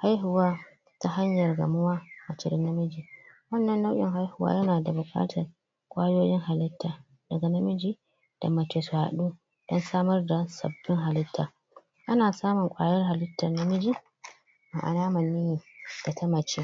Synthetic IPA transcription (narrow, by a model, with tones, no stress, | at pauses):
ha˦jɦʊ˨waː˦ | ta˦ɦa˦ɲjɐ˨rɡɐ̰˨mʊ˦waː˦mɐ˨t͡ʃɪ˨ɾɪ˦nːɐ˦mɪ˦d͡ʒiː˨wɐ˦nːɐ˨nːa˦wʔʲʼɪ̰˨ŋɦa˦jhʊ˨wa̰ː˦jɐ˦naː˨da˨bʊ˨kʼa̰ː˦tʰɐ˨r | kʷʼaː˦joː˦jɪ˦ŋɦa˨lɪ˦tʰːaː˨ | d̥ɐ˨ɡa˨nɐ˦mɪ˦d͡ʒi˦ | d̥a̰˨mɐ˨t͡ʃe˨swa̰ː˨ɗuː˦ | d̥ɔ˦nsaː˦mɐ˦rda˨sɐ̰˨bːɪ˦ŋɦa˨lɪ˦tʰːaː˨ | ʔa˦naː˨saː˦mʊ˨ŋkʷʼa̰ː˨jɐ˦rha˨lɪ˦tːɐ˨rnɐ˦mɪ˦d͡ʒi˦ | ma̰˨ʔa̰˨laː˦mɐ˨nːi˦˨d̥a˨tʰɐ˦mɐ˨t͡ʃeː˦